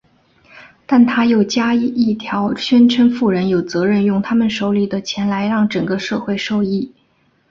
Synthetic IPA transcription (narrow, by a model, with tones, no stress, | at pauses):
t̪a˥˩nt̪ʰa˥jo˥˨˩ʊt͡ɕja˥i˥˩t̪ʰjɑ˧˥ʊɕɥɛ˥nʈ͡ʂʰə˧˥nfu˥˩ɻə˧˥njo˨˩ʊt͡sɤ˧˥ɻə˥˧njʊ˥˩ŋt̪ʰa˥mə˨nʂo˧˥ʊli˨˩d̪ə˦t͡ɕʰjɛ˧˥nla˧˥ɪɻɑ˥˩ŋʈ͡ʂɤ˨˩ŋɡə˦ʂɤ˥˧xwe˥˧ɪʂo˥˧ʊi˥˩